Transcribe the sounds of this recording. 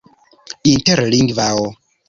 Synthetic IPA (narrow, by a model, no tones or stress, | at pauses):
intɛɾliŋɡvawɔ